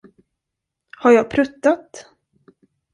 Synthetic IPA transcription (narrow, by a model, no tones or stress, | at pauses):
haɾjɑːɡ̚pʰɾɵt̪ːat̪